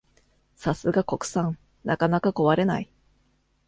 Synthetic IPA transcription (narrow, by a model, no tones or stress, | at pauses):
sasɨɡako̞kɯ̟̥sãŋ | nakanakako̞βaɾe̞nai